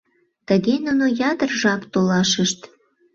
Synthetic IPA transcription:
t̪əɣenunojɑd̪ərʒɑkt̪olɑʃəʃt̪

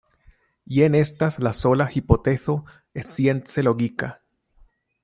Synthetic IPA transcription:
jenest̪aslasolaxipot̪eθo | esjenseloɣika

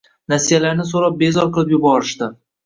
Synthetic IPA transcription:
nasijalaɾnɪsoɾap̚be̞zɒɾqʰɨlˠɪpjʊbɒɾɪʃt̪ɪ

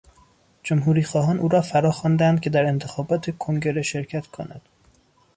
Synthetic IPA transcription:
d͡ʒomɦuːɾiːxɒːɦɒːnʔuːɾɒːfæɾɒːxɒːnd̪ænd̪cʲʰe̞d̪æɾe̞nt̪ʰe̞xɒːbɒːt̪ʰekʰoŋɟe̞ɾeʃe̞ɾcʰæt̪kʰo̞̰næ̰d̪̥

